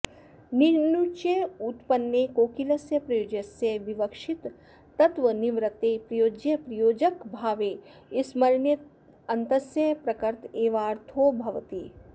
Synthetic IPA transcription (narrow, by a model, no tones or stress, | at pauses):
niɾnut͡ʃeut̪pɐnjekoːkilɐsjɐpɾɐjoːd͡ʒɐsjɐʋiʋɐkʂɪt̪ː | ɐt̪ʋəniʋɾɐt̪epɾɐjoːd͡ʒjɐpɾɐjoːd͡ʒɐkbʱaːʋeː | ɪsmɐɾɳjɐt̪ | ɐnt̪ɐsjɐpɾɐkɐɾt̪eːʋaːɾt̪ʰoːbʱɐʋt̪iː